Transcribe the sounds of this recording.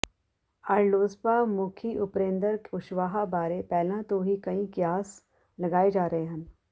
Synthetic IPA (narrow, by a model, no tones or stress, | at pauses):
aɾloːspaːmuːkʰiʔʊpɾẽːnd̪əɾkʊʃʋaːɦabaːɾepɛːlãt̪oɦikɐĩkjaːs | lɐɡaːed͡ʒaːɾəɦeɦɐ̃n